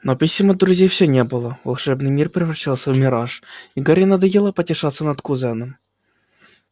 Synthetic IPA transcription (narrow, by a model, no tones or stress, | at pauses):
nopʲisʲɪməd̪ɾʊzʲejfsʲɵnʲebɨlˠəvɐlˠʂɛbnɨjmʲirpɾʲɪvɾɐɕːalˠsʲəvmʲɪɾaʂiɡaɾʲɪnɐd̪ɐjelˠəpətʲɪʂat̪sːənɐt̪kʊzɛnɨm